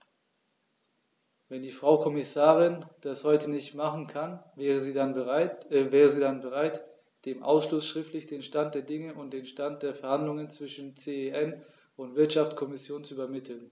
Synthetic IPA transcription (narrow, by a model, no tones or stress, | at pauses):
vɛndiːfʁ̥aʊkʰɔmɪsaːʁɪnd̥ashɔʏtənɪçtmaχn̩kʰanːʁəziːanəvɛːʁəziːdanbəʁ̞aɪt | d̥eːmʔa̰ʊsʃlʊsʃʁ̥ɪftlɪçd̥eːnʃtant̚d̥eːɐdɪŋəʔʊnt̚d̥eːnʃtant̚d̥eːɐfɛɐhandlʊŋənt͡sv̥ɪʃn̩t͡seeʔɛn | ʊntv̥ɪɐtʃaft͡skʰɔmɪsjoːnt͡suyːbɐmɪtʰl̩n